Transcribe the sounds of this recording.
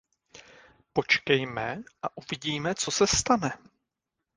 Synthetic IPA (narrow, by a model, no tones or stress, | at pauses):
po̞t͡ʃkɛjmɛʔaʔuvɪɟiːmɛt͡so̞sɛst̪anɛ